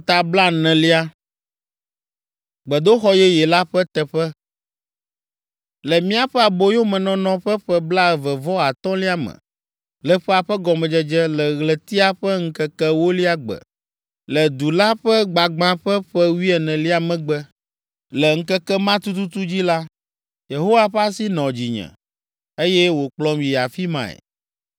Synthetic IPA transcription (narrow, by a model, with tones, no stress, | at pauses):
t̪a˨bla˦nɛ̃˨li˦a˦ | ɡ͡bɛ˨d̪o˦xɔ˦jɛ˦jɛ˨la˦ɸɛ˦t̪ɛ˨ɸɛ˦ | lɛ˨mĩ˦a˨ɸɛ˦a˨bo˦jo˦mɛ̃˨nɔ̃˦nɔ̃˦ɸɛ˦ɸɛ˦bla˦˨vɛ˨vɔ˦a˨t̪ɔ̃˦li˦a˦mɛ̰̃˨ | lɛ˨ɸɛ˦a˨ɸɛ˦ɡɔ˨mɛ̃˨d͡ʒɛ˨d͡ʒɛ˦lɛ˨ɣlɛ˨t̪i˦a˦ɸɛ˦ŋ̩˦kɛ˦kɛ˦wo˦li˦a˦ɡ͡bɛ̰˨ | lɛ˨d̪u˨la˦ɸɛ˦ɡ͡ba˨ɡ͡bã˦ɸɛ˦ɸɛ˦wi˦ɛ˨nɛ̃˨li˦a˨mɛ̃˨ɡ͡bɛ˦ | lɛ˨ŋ̩˦kɛ˦kɛ˦mã˦t̪u˦t̪u˦t̪u˦d͡ʑi˦la˦ | je˨ɦo˦wa˦ɸɛ˦a˦si˦nɔ̃˨d͡ʑi˨ɲɛ̰̃˨ | e˦jɛ˦wo˨k͡plɔ˦mji˨ja˨fi˦mã̰˨ɛ̰˨